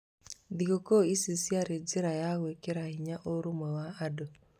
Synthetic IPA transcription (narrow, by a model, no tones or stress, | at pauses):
dikɔkɔisisiaɾed͡ziɾajaɣwɛkeɾahiɲaʔoɾumɔwaadɔ